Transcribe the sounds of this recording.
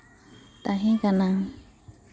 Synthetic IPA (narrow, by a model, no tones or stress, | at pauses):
t̪aɦĩkanãŋ